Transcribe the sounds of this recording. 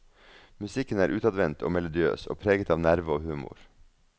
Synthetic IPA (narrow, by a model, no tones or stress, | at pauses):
mʉsɪkənæːɾʔʉːt̪ɑd̪ʋɛnt̪ʰo̰ːmɛlʊd̪ɪø̰ːso̰ːpʰɾeːɡət̪ɑːʋnæɾʋəoːhʉːmʊ̰ɾ